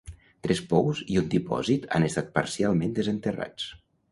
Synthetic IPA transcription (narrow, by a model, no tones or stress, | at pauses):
t̪ɾɛspɔwziund̪ipɔ̰zit̪ʰa̰nest̪at̪̚pa̰ɾsialˠmẽnd̪əzənt̪əra̰t͡s